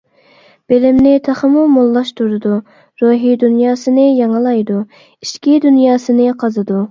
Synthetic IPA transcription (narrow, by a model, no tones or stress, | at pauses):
b̥elɪmnɪt̪ʰɑχəmumolˠːɑʃt̪ʰuɾɨd̪u | ɾuɦid̪unjɑːsɨnɨjɑŋɨlˠɑjd̪u | iʃkʲid̪unjɑːsɨnɨqʰɑzɨd̪u